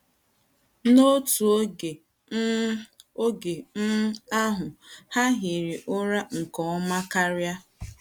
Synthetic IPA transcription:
no˦tu˨o˦ɡe˨˦ | o˦ɡe˨m̩˦a˦ɦʊ˨ha˦ɦi˨ɾi˨ʔʊ˦ɾa˦ŋ̩˨kɔ˨ɔ˦ma˦ka˦ɾja˦

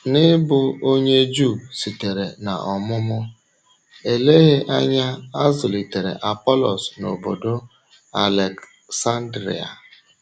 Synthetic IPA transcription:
nɪ˦bʊ˨o˦ɲe˦d͡ʒu˦˨si˨te˨ɾe˨na˨ʔɔ˨mʊ˦mʊ˦ | e˨le˦ɣe˦ʔa˦ɲa˦a˦zʊ˨li˨te˨ɾḛ˨ʔa˨pɔ˦lɔ˨sno̰˨bo˨do˦ | a˨le˨k | sa˦n˦dɾḭ˨a̰˨

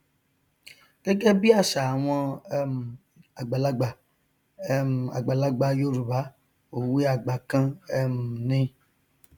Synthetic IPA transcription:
ɡ̥ɛ˦ɡɛ˦bi˦a˦˨ʃa˨a˨w̃ɔ̃˧˦m˨ | a˨ɡ͡ba˨la˧ɡ͡ba˨˦ | m˨a̰˨ɡ͡ba˨la˧ɡ͡ba˧jo˦ɾu˨ba˨˦ | o˨wi˦a˨ɡ͡ba˨kã˦ɛ˧m˨nĩ˧

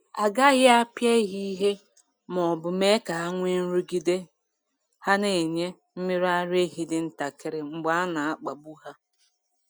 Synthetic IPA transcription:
a˨ɡa˦ɣɪ˦a˦pje˦ɣi˦ɦe˦ | mɔ˨bʊ˨me˦ka˨a˦ŋʷe˦n̩˦ɾu˦ɡi˨de˦ | ha˦ne˨ɲe˦ | m̩˦mi˦ɾa˦ɾe˦ɦi˨dɪ˨n̩˦ta˨kɪ˦ɾɪ˨ŋ͡m̩˦ɡ͡ba˦a˦na˨a˦k͡pa˨bu˦ɦa˦

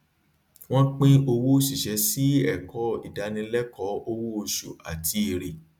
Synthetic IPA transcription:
w̃ɔ̃˦k͡pĩ˦o˧wo˦ʃi˦˨ʃɛ˨˦si˦ɛ˦˨kʰɔ˨˦ḭ˨da˨˧˦nĩ˧lɛ˦kɔ˨˦o˧wo˦˨ʃṵ˨a̰˨ti˧˦i˧˨ɾe˨

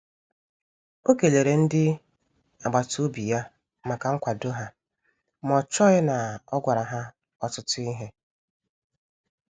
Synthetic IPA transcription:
o˦ke˨le˨ɾe˨n̩˦dɪ˦ | a˨ɡ͡ba˨to˦bi˨ja˦ | ma˨ka˨ŋ̩˦kʷa˨do˦ɦa˦ | mɔ˨t͡ʃɔ˦ɪ˦na˨ɔ˦ɡʷa˨ɾa˨ɦa˦ | ɔ˦tʊ˦tʊ˦i˦ɦe˦

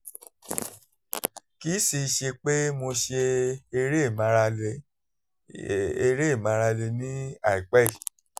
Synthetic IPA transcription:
ki˦si˧ʃe˧k͡pe˦mo˧ʃe˧e˧ɾe˦˨mã˧ɾa˧le˧ | e˧ɾe˦˨mã˧ɾa˧le˧nĩ˦a˨i˨k͡pɛ˦i˦˨

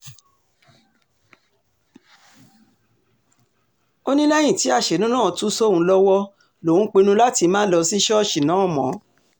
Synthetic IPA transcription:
o˦nĩ˦lɛ˦j̃ĩ˦˨ti˨˦a˦˨ʃe˨nũ˦nãː˦˨tu˦so˦˨ũ˧˦lɔ˦wɔ˦ | lo˨ũ˦k͡pe˧nũ˧˦la˦ti˧mãː˦lɔ˧si˦ʃɔ˦˨ʃi˨nã˨˦ɔ˦˨mɔ̃˨˦

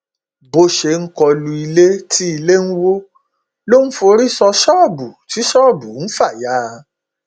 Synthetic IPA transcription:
bo˧ʃe˧ŋ̩˦kɔ˧lu˧i˧le˦tʰi˦i˧le˦n̩˦wo˦ | lo˦n̩˦fo˧ɾi˦sɔ˧ʃɔː˦˨bu˨ti˨˦ʃɔː˦˨bu˨n̩˦fa˦˨jaː˦

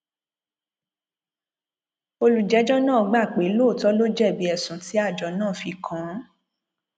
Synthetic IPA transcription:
o˧lu˨d͡ʒɛ˨˦d͡ʒɔ˦nãː˦˨˧ɡ͡ba˦˨k͡pe˨˦lo˦˨tɔ˦lo˦d͡ʒɛ˦˨bi˨˦ɛ˨sũ˨ti˨˦a˦˨d͡ʒɔ˨nãː˦˨fi˧kʰã˨˦

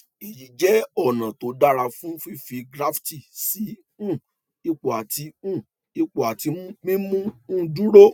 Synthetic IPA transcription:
i˨ji˨d͡ʒɛ˨˦ɔ˦˨nã˨to˨˦da˦ɾa˧fũ˦fi˦fi˧ɡɾa˦fti˦˨si˨˦ | ũ˦˨ | i˦k͡po˨a˨ti˨˧˦ũ˦˨ | i˦k͡po˨a˨ti˧˦mũ˦ɡ͡bĩ˦mũ˦ũ˦˧dũ˦ɾo˦

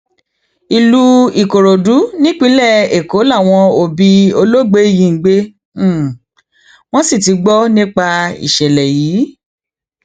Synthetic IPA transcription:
i˨lu˧i˨ko˨ɾo˨du˨˦nĩ˦k͡pĩ˨˦lɛ˦˨e˨ko˨˦la˦˨w̃ɔ̃˧o˧bi˧o˧lo˦ɡ͡be˨˦˨jĩ˧˦˧ɡ͡be˦ | w̃ɔ̃˦si˦˨ti˨˧˦ɡ͡bɔ˦nĩ˦k͡pa˧ḭ˨ʃɛ˨lɛ˨jiː˨˦

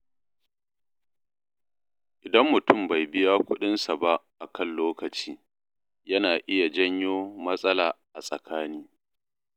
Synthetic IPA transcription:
ʔɪ˨dɐ˦mːʊ˨tʊ˦˨mba˨jbɪ˦jaː˦kʷʊ˦ɗɪ˦nsa˨ba˦ʔʔa˨kɐ˦˨nloː˦kɐ˨t͡ʃiː˦ | jɐ˦naː˨ʔɪ˦ja˨d͡ʒɐ˦ɲjoː˦mɐ˦sʼɐ˦laː˨ʔa˨sʼɐ˨kʰaː˦niː˦

